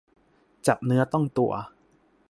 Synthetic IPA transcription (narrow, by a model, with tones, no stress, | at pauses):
t͡ɕa˨˩p̚nɯ˦˥ɐt̪ɔ˥˩ŋt̪u˨˩ɐ